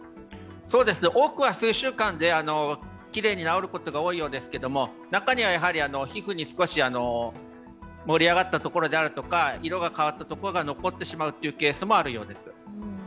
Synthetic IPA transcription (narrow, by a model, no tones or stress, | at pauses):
so̞ːd̪e̞sɨneʔo̞ːkɯ̟βasɨːɕɨːkãnd̪e̞ano̞ | kʲiɾe̞ːɲ̟inao̞ɾɯ̟ko̞t̪o̞ɡao̞ːijo̞ːd̪e̞sɨ̥ke̞d̪o̞mo̞ | nakaɲ̟iβ̞ajaɦaɾʲiano̞çiɸɯ̟ɲ̟isɨ̥ko̞ɕiano̞ | mo̞ɾʲiaɡat̪ːat̪o̞ko̞ɾo̞d̪e̞aɾɯ̟t̪o̞kaiɾo̞ɡakaβat̪ːat̪o̞ko̞ɾo̞ɡano̞ko̞t̪ːe̞ɕimaɯ̟t̪ːejiɯ̟ke̞ːsɨmo̞aɾɯ̟jo̞̰ːd̪e̞sɨ̥